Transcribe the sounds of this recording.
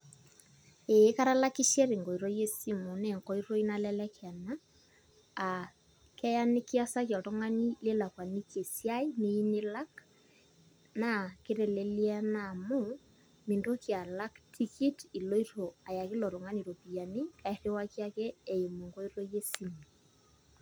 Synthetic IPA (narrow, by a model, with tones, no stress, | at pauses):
eː˨˦ka˦ɾa˦la˦ki˦ʃɛ˦ɾe˨ŋɡɔ˨i˨ɾɔ˦je˦si˦mu˨ne˨ŋkɔ˦i˦ɾo˦i˦na˦lɛ˦lɛ˦ka˨naː˦˨ | kɛ˦ja˦ne˦ki˦a˦sa˦kjɔ˨tɔ˦ŋa˦ni˦le˦la˨kwa˨ni˦ke˨sja˦i˦ne˦i˦ne˦la˦k | na˦˨ke˦ɾe˨lelia˦na˨mo˦ | mi˨ndo˦kja˨la˦ktʰi˦ki˦ti˨lo˦i˦ɾo˨a˨ja˨ki˦lɔ˨ɾo˨ŋa˦ni˨ɾo˨pi˨ja˨ni˦ka˨eɾe˦wa˦kja˦kɛː˦˨e˨mo˨ŋɡo˦i˦ɾɔ˦je˦si˦mu